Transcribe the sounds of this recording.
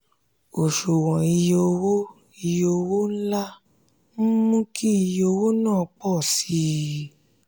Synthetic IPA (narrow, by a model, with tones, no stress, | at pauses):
o˨ʃo˨wɔ̃˨i˧jo˧wo˦ | i˧jo˧wo˦n̩˦la˦ | m̩˦mũ˦kʰi˦i˧jo˧wo˦nãː˦˨k͡pɔ˦˨si˨˦